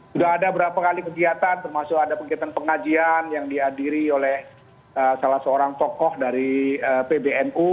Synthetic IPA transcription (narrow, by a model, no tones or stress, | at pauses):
sudaɦːdabəɾapakalikəɡiat̪ant̪ərmasʊkadapəɡiat̪anpəŋad͡ʒianjaŋdiɦadiɾiolɛh | əsalahsəoɾaŋt̪ɔkɔhdaɾiəpebeɛnu